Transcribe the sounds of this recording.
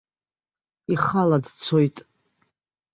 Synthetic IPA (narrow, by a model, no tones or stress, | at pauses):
iχaladt͡sʰojtʼ